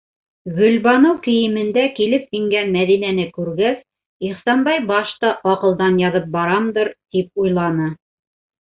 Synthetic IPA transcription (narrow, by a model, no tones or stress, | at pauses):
ɡɵ̆lbɑnɤwkɘ̆jɘ̆mɘ̆nd̪ækilɘp̚jĭŋɡænmæðinænɘkʉɾɡæs | iχsɑnbɑjbɑʃt̪ɑʔɑqɤ̆lˠd̪ɑnjɑðɤp̚bɑɾɑmd̪ɤɾt̪ip̚ujlˠɑnɤ